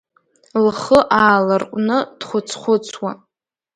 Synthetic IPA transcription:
lχəʔaːlarqʷʼnɨd̥χʷʊt͡sʰχʷʊt͡sʰwa

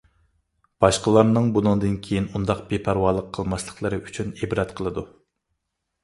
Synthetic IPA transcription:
b̥ɑʃqəlˠɑɾnɨŋbunɨŋd̪ɨnkʲʰejinund̪ɑq̚bepʰæɾwɑːlˠəqʰːəlˠmɑslˠəχlˠəɾɨʔyt͡ʃʰynebɾɛt̪qʰəlˠɨd̪u

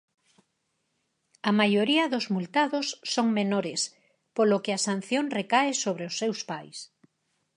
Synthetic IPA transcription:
ɐmajoɾiɐðozmult̪aðosːoŋmenoɾɪs | polokɪasan̟θjoŋrekaɪsoβɾeosːewspajs

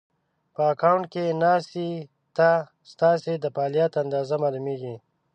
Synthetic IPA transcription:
pəːkawɳʈ̚kenaːsi | t̪a | st̪aːsed̪əpaːljat̪and̪aːzamaːlumeːɡi

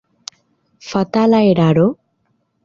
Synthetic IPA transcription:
fɐt̪alaeɾaɾo

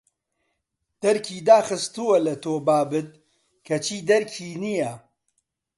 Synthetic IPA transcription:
d̪̥ɐɾkʰiːd̪aːxɨst̪uwɐlɐt̪oːbaːbɨt̪̚ | kʰɐt͡ʃʰiːd̪ɐɾkʰiːnijɐ

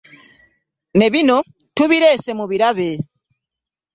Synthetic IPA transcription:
ne̞βino̞ | tuβiɾe̞ːse̞muβiɾaβe̞

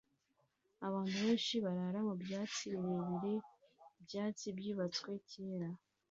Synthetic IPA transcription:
aβaːntuβeːnʃiβaɾaɾamubjaːt͡siiɾeβiɾe̞ibjaːt͡sibjuːβat͡swe̞ceːɾa

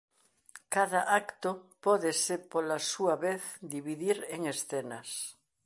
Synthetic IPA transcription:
kaðaʔakt̪opɔðesepolasuaβeθd̪iβiðiɾeŋesθenas

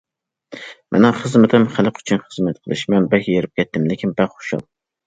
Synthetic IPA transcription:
mʔɛ̰nɛχəzmɪt̪ʰɪmχælɨqʰy̥t͡ʃʰynχəzmɛt̪qʰəlˠɨ̰ʃmɛnbɛhʲjeɾɪp̚kʲʰɛt̪ʰːɪmlɪkʲʰɪnbɛχo̥ʃɑ̰lˠ

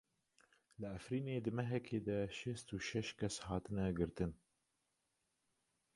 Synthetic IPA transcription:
lɨæfɾiːneːd̪ɨmɛɦɛkʰeːd̪ɛʃɛst̪uʃɛʃkʰɛshɑːt̪ɨnɛɡɨɾt̪ɨn

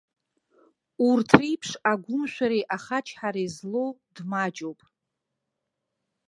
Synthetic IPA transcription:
urtʰrijpʰʂaɡʷʊmʃʷᶣaɾiʔaχat͡ʃʰħaɾezlowdmad͡ʒʼowpʼ

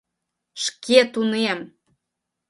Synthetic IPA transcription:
ʃket̪unem

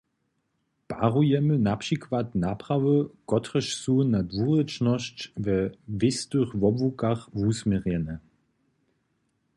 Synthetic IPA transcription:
b̥aʁujɛmənapʃikʰvatnapʁavəkɔtʁəʃsuːnadvuːʁət͡ʃnɔʃt͡ʃvɛvɪstuχvɔbvukaχvuːsmɛʁjɛnə

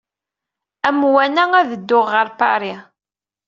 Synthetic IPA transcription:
æmwænææðəd̪ːʊʁːəɾˤpa̰ɾi

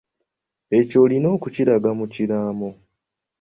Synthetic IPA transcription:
e̞co̞lino̞ːkuciɾaɡamuciɾaːmo

